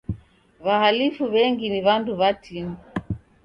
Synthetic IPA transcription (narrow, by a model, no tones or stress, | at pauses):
βahalifuβɛŋɡiniβanduβatʰinu